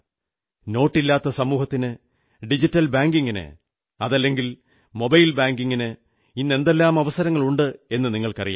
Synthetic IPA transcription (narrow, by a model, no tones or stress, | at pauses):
no̞ːʈːilːaːt̪ːɐsɐmuːhɐt̪ːinɨ | ɖid͡ʑitːɐlbaːŋɡiŋɡinɨ̰ | ɐðɐlːe̞ŋɡil | mo̞bɐjlbaːŋɡiŋːinɨ | inːe̞nd̪e̞lːaːmɐʋɐsɐɾɐŋːɐɭuɳɖɨe̞nːɨniŋːɐɭkɐrija̰ː